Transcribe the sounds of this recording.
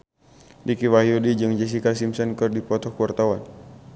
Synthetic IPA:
dikiwahiodid͡ʒɨŋd͡ʒɛs̬ikasimsɔnkərdipɔt̪ɔhkuart̪awan

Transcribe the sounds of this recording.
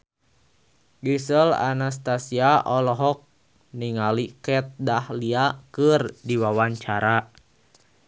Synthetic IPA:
ɡisəla̰nas̬t̪asiaʔɔlɔɦɔk̚ | niŋalikɛt̪̚dahliakɨrdiwawaɲt͡ʃaɾa

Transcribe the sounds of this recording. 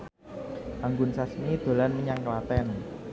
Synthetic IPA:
ʔaŋɡʊnsasmid̪̥o̤lanmiɲaŋkəlat̪ɛn

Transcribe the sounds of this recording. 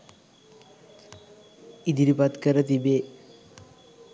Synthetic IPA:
id̪iɾipat̪kəɾət̪ibe

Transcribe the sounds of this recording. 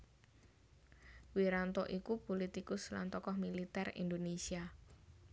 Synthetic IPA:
wiɾant̪ɔʔikupolit̪ikʊsla̰nt̪ɔkɔhmilit̪ɛrḭnd̪onesia

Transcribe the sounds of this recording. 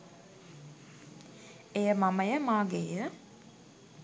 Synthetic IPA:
ejəmaməjəmaːɡeːjə

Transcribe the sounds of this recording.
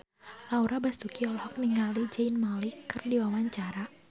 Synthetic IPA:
lauɾabast̪ukiɔlhɔk̚niŋalid͡ʒainmalikːɨrdiwawaɲt͡ʃaɾa

